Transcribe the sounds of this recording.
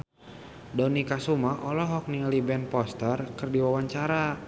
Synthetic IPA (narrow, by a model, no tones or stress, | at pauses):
dɔnikasumaʔɔlɔɦɔk̚nilibɛnpɔst̪ərkɨrdiwawaɲt͡ʃaɾa